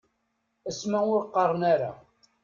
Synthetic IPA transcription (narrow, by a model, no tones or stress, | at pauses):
əsmæʊɾqːərˤənaɾa̰